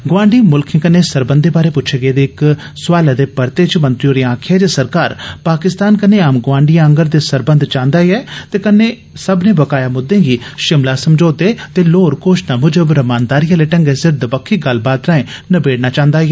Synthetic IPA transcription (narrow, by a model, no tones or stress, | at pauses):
ɡʋãːɳɖiːmʊlkʰẽːkəneːsəɾbənd̪eːbaːɾeːpʊtːʃʰeːɡeːd̪eːɪk | sʊʋaːlaːd̪eːpəɾt̪eːt͡ʃmənt̪ɾioːɾĩãːkʰeːd͡ʒeːsəɾkaːɾpaːkɪst̪aːnkəneːaːmɡʋãːɳɖijãəŋɡəɾd̪eːsəɾbənd̪t͡ʃãːnd̪aːiɛːt̪eːkənːeː | səbnẽːbəkaːjaːmʊd̪ẽːɡiːʃɪmlaːsəmd͡ʒoːd̪eːt̪eːloːɾkoːʃnaːmʊd͡ʒəbɾəmaːnd̪aːɾijãːleːʈə̃ŋɡeːsɪɾd̪əpəkʰːiːɡəlbaːt̪ɾãːẽːnəbeːɽnaːt͡ʃãːnd̪aːiɛː